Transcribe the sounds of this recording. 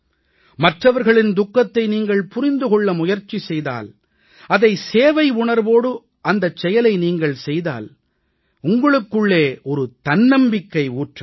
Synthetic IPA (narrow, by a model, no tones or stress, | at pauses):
mɐʈrɐʋɐɾɣɐɭɪnd̪ʊkːɐt̪ːɐɪniːŋɡɐɭpʊrɪnd̪ɯɣɔɭːɐmʊjɐɾt͡ʃːisɛjða̰ːl | ɐðɐɪseːʋɐɪʊɳɐɾboːɽɯ | ɐnd̪ɐt͡ʃːɛjɐlɐɪniːŋɡɐɭsɛjða̰ːl | ʊŋɡɐɭɯkːɯɭːeːɔɾɯt̪ɐnːɐmbɪkːɐɪuːʈrɐ